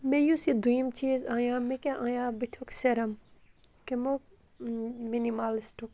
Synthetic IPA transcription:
mẽjusid̪ujimt͡ʃiːzãːjãːmekʲeʔaːjãːbit̪ʰokseɾɐm | kemok | minimaːlisʈuk

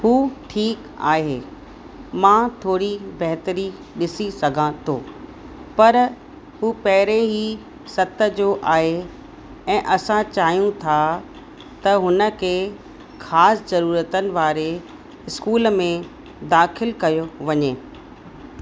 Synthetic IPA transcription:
huːʈʰiːk | a̰ːɦeː | mãt̪ʰoːɽibɐɦt̪əɾi | ɗɪsisɐɡʱãt̪ʰoː | pɐɾ | ɦuːpɐɦɪɾeɦi | sɐt̪ə̆d͡ʑoʔaːɦe | ɛ̃ːʔɐsãt͡ɕaːɦijũt̪ʰa | t̪ɐɦʊnə̆kʰeː | xaːszɐɾuːɾət̪ənɪ̆ʋaːɾe | ɪskuːlmẽ | d̪aːxɪlkɐjoʋɐɲeː

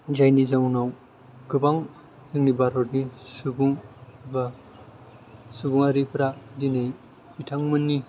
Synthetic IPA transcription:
zajnizawnaw | ɡɯbaŋ | zɯŋnibaɾɔɾnisubuŋba | subuŋaɾipʰɾadinaj | b̥itʰaŋmɯnːi

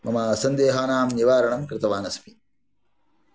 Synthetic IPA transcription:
mɐmaːɐsɐnd̪eːɦaːnaːmniʋaːɾɐɳɐmkɾɪt̪ɐʋaːnɐsmi

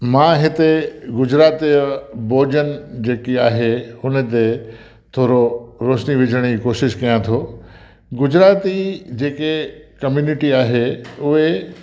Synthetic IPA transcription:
mãːɦɪt̪eɡʊd͡ʑɾaːt̪iboːd͡ʑənɪ̆d͡ʑeːkiaːɦeʊnə̆t̪e | t̪ʰoːɾoɾoːʃniʋɪd͡ʑʱəɽ̃iikoːʃɪʃkɐjãt̪ʰoː | ɡʊd͡ʑɾaːt̪id͡ʑeːkekɐmjuːnɪʈiaːɦeʊɦe

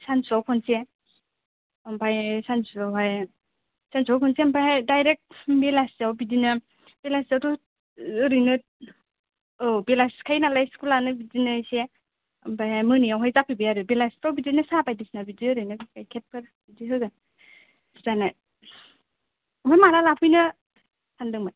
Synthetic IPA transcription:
sansawpʰɔnse | ɯmpʰajsansuawɦaj | sansawpʰɔnsempʰajhajdajɾek̚t̚belasawbidinɯ | b̥elasaɾu | ɾɯjnɯt̚ | ɔbelaskʰajnalajskulanɯbidinɯse | ampʰajhajmɯnijawɦajzapʰibijaɾɯbelaspawbidinɯsabajdisnabidiɯɾɯjnɯbikʰajkʰet̚pʰɯɾ | bidiɦɯɡɯ | zanaj | ɔmpʰajmaɾalapʰɯjnɯ | sʰandɯŋmaj

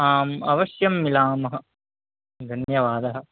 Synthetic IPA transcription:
aːmɐ̰ʋɐʃjɐmːilaːmɐɦɐ | d̪ʱɐnjɐʋaːd̪ɐɦɐ̆

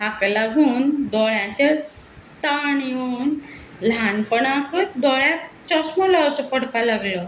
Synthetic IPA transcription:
aklaɡʱuːnd̪ɔɭjãt͡ɕe | t̪aɳjon | lanpəɳakət̪̚d̪ɔɭjãt͡ɕɔsmɔlawt͡sɔpəɽpalaɡlɔ

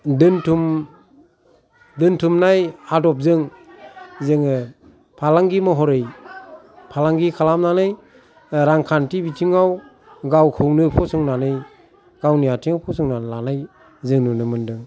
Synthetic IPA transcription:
dɯntʰum | dɯntʰumnajadɔp̚zɯŋ | zɯŋɯ | pʰalaŋɡimɔɦɔɾɯj | pʰalaŋɡikʰalamnanɯj | ɾaŋkʰantibitʰiŋaw | ɡawkʰɯŋnɯpʰɔsɔŋnanɯj | ɡ̥awniatʰiŋapʰɔsɔŋnanlanaj | zɯŋnɯnɯmɯndɯŋ

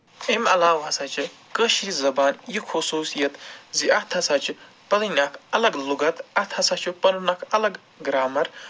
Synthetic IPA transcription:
emɐlaːwɐsɐt͡ʃʰɨ | kəʃiɾizɐbaːnjikʰusuːsijɐt̪ziɐt̪ʰɐsat͡ʃʰɨ | pɐlinʲakʰɐlɐɡluɡɐt̪ɐt̪ʰhɐsɐt͡ʃʰupɐnunɐkʰɐlɐɡ | ɡɾaːmɐɾ

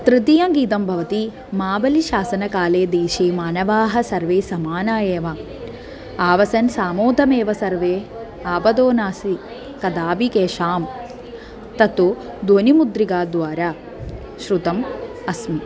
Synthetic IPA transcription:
t̪ɾɪt̪ijɐ̃ːmɡiːt̪ɐmbʱɐʋɐt̪i | maːbɐliʃaːsɐnɐkaːleːd̪eːʃeːmaːnɐʋaːɦɐsɐɾʋeːsɐmaːnaːjeːʋa | aːʋɐsɐnsaːmoːd̪ʱɐmeːʋɐsɐɾʋeː | aːbɐd̪oːnaːsi | kɐd̪aːbikeːʃaːm | t̪ɐt̪od̪oːnimud̪ɾiɡaːd̪ʋaːɾaː | ʃɾut̪ɐmɐsmi

